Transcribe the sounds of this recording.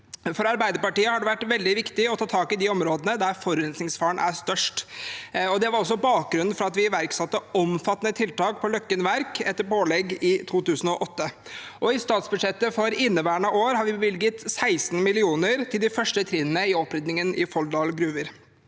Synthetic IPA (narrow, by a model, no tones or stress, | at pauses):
fɔɾɑɾbæɪd̪əɾpɑʈiːəhɑɖɛʋæʈːʋɛld̪ɪʋɪkt̪ɪɔt̪ʰɑːt̪ʰɑːkɪd̪ɪɔmɾoːd̪ənəd̪æɾfɔɾʉɾɛnsnɪŋsfɑːɳʔæ̰st̪œʂʈ | ɔd̪ɛʋɑɾɔs̬ːɔbɑːk̚ɡɾʉnːn̩fɾɑɑt̪ʋɪʋæɾksɑt̪ːəɔmfɑt̪ːənət̪ʰɪlt̪ɑːk̚pʰɔlœkːənʋæɾkɛt̪ːəɾpoːlɛɡɪt̪ʰuːt̪ʉːsən̩ɔʔɔt̪ːəʔɔɪst̪ɑːt̪sbʉʂɛt̪ːəfɔɾɪnːəʋæːɳɑoːɾhɑɾʋɪbəʋɪlɡət̪sæɪsnmɪlɪuːnəɾt̪ʰɪld̪ɪfœʂʈət̪ʰɾɪnənəɪɔpɾɪd̪nɪŋənɪfɔld̪ɑːlɡɾʉːʋəɾ